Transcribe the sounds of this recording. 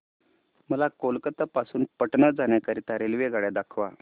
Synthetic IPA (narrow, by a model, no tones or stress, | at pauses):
məlakolkət̪əpasuːnpəʈɳəd͡zanjakəɾit̪aɾelʋeɡaɽjed̪akʰʋa